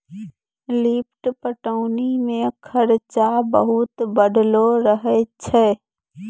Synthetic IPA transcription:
liːp̚ʰʈpəʈəʊnimẽkʰəɾt͡ʃabə̰ɦʊt̪bəɖloɾəɦɛt͡ʃʰɛː

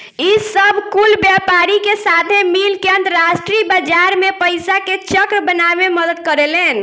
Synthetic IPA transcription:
isəbʱkulbjapaɾikesat̪ʰemilkeə̃nt̪əɾasʈɾibad͡ʒaɾmepəjsaket͡ʃəkɾbənabeməd̪əd̪̚kəɾelen

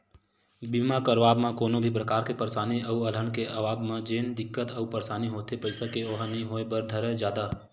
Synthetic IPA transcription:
biːmakəɾʋaːbmãkoːnobʱipɾəkaːɾkepəɾsaːniəuələnkeʔəʋaːbmãd͡ʒeːnd̪ɪkːət̪əupəɾsaːniɦoːt̪epəɪsakeoɦanɦĩɦoːebəɾd̪ʱəɾəd͡ʒjaːd̪a

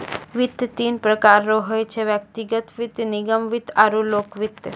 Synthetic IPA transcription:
ʋit̪jət̪iːnpɾəkaɾːoɦojt͡ʃʰeʋjək̚t̪iɡət̪ʋit̪ːniɡəmʋit̪aɾuloːkʋit̪j

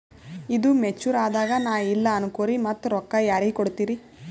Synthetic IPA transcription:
id̪umet͡ʃːuɾaːd̪aːɡɐnaːilːɐɐnukoːɾimɐt̪ːuɾɔkːɐjaːɾiɡikoɽt̪iːɾi

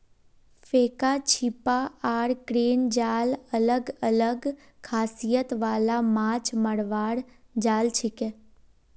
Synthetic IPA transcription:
fekat͡ʃʰipaːɾkɾend͡ʒaːlələɡələɡ | kʰaːsijət̪ʋaːlamãːt͡ʃməɽʋaɽ | d͡ʒaːlt͡ʃʰike

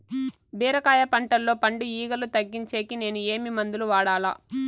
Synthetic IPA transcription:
bɛːɾɐkaːjɐpɐɳʈɐllo̞ːpɐɳɖuiːɡɐlut̪ɐɡːiɲt͡ʃe̞ːkine̞ːnueːmimɐnd̪uluʋaːɽaːla̰ː

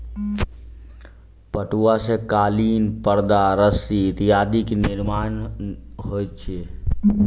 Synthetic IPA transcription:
pəʈuasẽkaːliːnpəɾd̪aɾəsiɾijad̪iknɪɾmaːnɦojt̪̚t͡ʃʰie

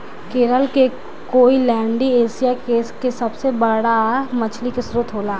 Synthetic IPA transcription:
keːɾəlke | koːilɛ̃ːɳɖieːsijakeːskesɐbsebəɽamət͡ʃʰlikesɾuːt̪ɦoːlaː

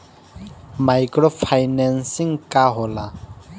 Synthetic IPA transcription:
majkɾɔpʰajnɛnsiŋkaɦɔla

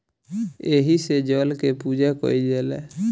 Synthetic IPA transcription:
eɦised͡ʒɔlkepud͡ʒakɔ̰id͡ʒɛlɛ̰

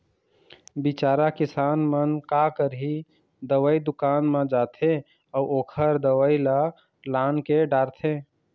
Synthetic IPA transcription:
bit͡ʃaːɾakisaːnmənkakəɾɦi | d̪əwəid̪ʊkanmẽd͡ʒat̪ʰe | auokʰəɾd̪əwəjla | lankeɖaɾt̪ʰe

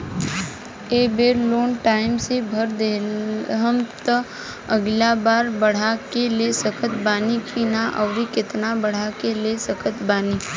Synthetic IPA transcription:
eːbeːɾloːnʈaːɪmsebʱəɾd̪eɦəmt̪ə | əɡlabaːɾbəɽ̤akelesəkʰət̪baːnikʰiːnaʔɔ̰ːɾikɪt̪nabəɽ̤akelesəkʰət̪baːniː

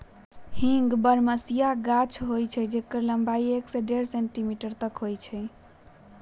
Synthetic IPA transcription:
hĩŋɡbəɾməsijaɡat͡ʃʰɦojt͡ʃʰɛd͡ʒekːəɾləmbaieksɛɖeɾsẽɳʈimiʈəɾt̪əkɦojt͡ʃʰɛ

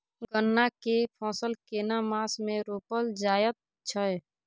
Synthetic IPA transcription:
ɡənːakepʰɔ̃ːsəlkeːnamaːsmẽɾoːpəld͡ʒaːjət̪̚ | t͡ʃʰəj

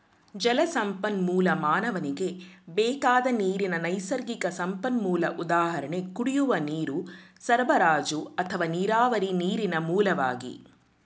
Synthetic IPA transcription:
d͡ʒɐlɐsɐmpɐnmuːlɐmaːnɐʋɐniɡe̞bɛːkaːd̪ɐniːɾinɐnɐjsɐɾɡikɐsɐmpɐnmuːlɐ̰ʔud̪aːɦɐɾɐɳekuɽijuʋɐniːɾusɐɾʋɐɾaːd͡ʒuɐt̪ʰɐʋaːniːɾaːʋɐɾiniːɾinɐmuːlɐʋa̰ːɡḭ

